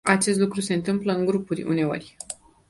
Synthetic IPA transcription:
at͡ʃe̞st̪lukɾuse̞ɨnt̪ɨmpləɨŋɡɾupurʲṵne̞o̞̰rʲ

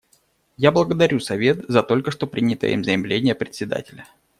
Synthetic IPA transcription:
jablˠəɡəd̪ɐɾʲusɐvʲe̞t̪zɐt̪o̞lʲkəʂt̪o̞pɾʲinʲɪt̪ə̰ḭmzəjɪmlʲenʲɪjəpɾʲɪt̪ʲsʲɪd̪a̰tʲɪlʲə

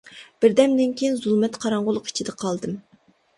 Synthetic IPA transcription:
b̥ɪɾd̪ɛmd̪ɪnkʲʰejinzulˠmɛt̪qʰɑɾɑɴʁʊlˠʊqi̥t͡ʃʰid̪ɛqʰɑlˠd̪ɨm

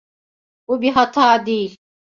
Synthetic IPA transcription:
ubiɦɐt̪ʰaːd̪iːl

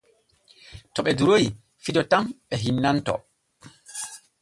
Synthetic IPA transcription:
tɔɓɛduɾoji | fidɔtamɓɛɦinːantɔ̰

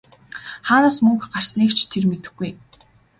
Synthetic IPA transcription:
χaːnaːsmɵŋkɢar̥sniːkt͡ɕʰt̪ʰermet̪ɘ̆xɡuj

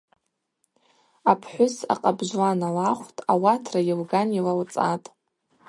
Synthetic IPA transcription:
apʰħʷʊsa̰qʼabʒʷlanalaχʷtʼawatʰrajɪlɡanilawt͡sʼatʼ

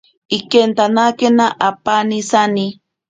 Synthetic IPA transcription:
ikent̪anakenaʔapanisani

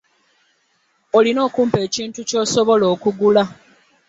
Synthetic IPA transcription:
olino̞ːkuːmpe̞ːciːntuco̞ːso̞βo̞lo̞ːkuɡula

